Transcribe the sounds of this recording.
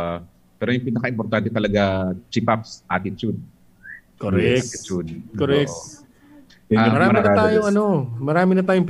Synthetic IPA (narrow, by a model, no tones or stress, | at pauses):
pɛːɾojʊŋpinɐkɐʔɪmpoɾt̪ant̪ɛt̪ɐlɐɡat͡ʃipapsʔaːt̪ɪt͡ʃud̪̚ | koɾɛɛt͡ʃud̪koɾɛkk̚t̪ | amɐɾaːmɐɾɪnɐt̪aːjoŋɐno̞mɐɾaːmɪnɐt̪aːjoŋp